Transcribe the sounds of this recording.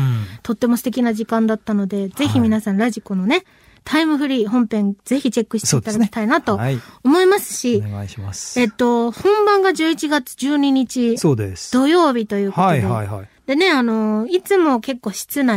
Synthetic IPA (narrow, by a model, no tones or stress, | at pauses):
t̪o̞t̪ːe̞mosɨ̥t̪e̞kʲinaʑikãnd̪at̪ːano̞d̪e̞ze̞çimʲinasãñɾaʑikono̞ne̞ | t̪ʰaimɯ̟ɸɯ̟ɾʲiːɦõ̞mpẽ̞nd͡ze̞çit͡ɕe̞kːɯ̟ɕi̥ead̪akkʲi̥t̪ainat̪o̞omo̞imasɨ̥ɕia̰iɕimase̞t̪ːo̞hõ̞mbãŋɡaʑɨːit͡ɕiɡat͡sɨ̥d͡ʑɨːɲ̟iɲ̟it͡ɕisoːd̪esd̪̥o̞jo̞ːbʲit̪o̞jɯ̟ːad̪ed̪̥e̞ne̞ano̞it͡sɨmo̞ke̞kːo̞ːɕi̥t͡sɨna